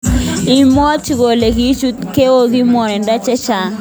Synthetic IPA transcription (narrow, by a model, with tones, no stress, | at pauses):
i˨mɔ˦t͡ʃi˦ko˨le˨ki˦t͡ʃu˦ke˦o˦ki˦mɔ˨ɾɛ˨nda˦t͡ʃɛ˦t͡ʃa˨